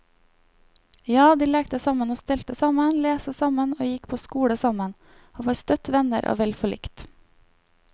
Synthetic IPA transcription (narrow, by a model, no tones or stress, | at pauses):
jɑːd̪iːlɛːk̚t̪əsɑmənoːst̪ɛlt̪əsɑmənleːsəsɑmənoːjɪkpʰoːskuːɽəsɑmən | oːfɔɾst̪œt̪ʋɛnəɾʔo̰ːʋɛlfɔɭɪ̰kt̪